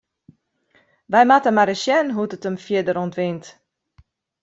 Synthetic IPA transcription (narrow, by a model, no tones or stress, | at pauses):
ʋɛjmatəmaɾəsjɛnɦutətəmfjiədəɾontʋɪnt